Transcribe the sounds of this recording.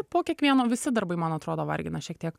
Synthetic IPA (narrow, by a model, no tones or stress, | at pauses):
poːkʲiɛkʋʲiɛnoːʋʲɪsʲɪd̪ɐɾbɐɪmɐnɐt̪ɾoːd̪oʋɐ̰ɾʲɡʲɪnɐʃʲiɛkt̪iɛk